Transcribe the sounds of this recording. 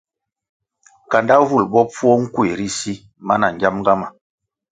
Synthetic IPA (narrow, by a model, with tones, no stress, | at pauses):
ka˨nda˦vu˦˨lbɔ˦p͡fu˦ɔ˦ŋ̩˦kwe˨ɾi˦si˦ | ma˦na˨ɲ˨d͡ʒa˦m˦ɡa˦ma˨